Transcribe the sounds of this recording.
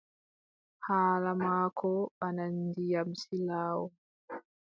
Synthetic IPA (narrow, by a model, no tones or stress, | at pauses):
haːlamaːkʰɔɓanandijam̩silaːwɔ